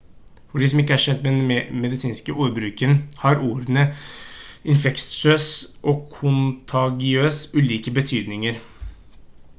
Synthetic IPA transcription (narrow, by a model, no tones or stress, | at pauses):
fɔɖiːs̬ɔmɪkːəæʂɛd̪d̪mɛd̪ɛnmɛd̪ɪsiːnskəʔuːɾbɾʉːkənhɑɾuːɾənə | ɪnfɛkt̪søːsʔɔːkʰʊnt̪ʰɑɡɪøːsʉːliːkəbət̪ʰyːd̪nɪŋəɾ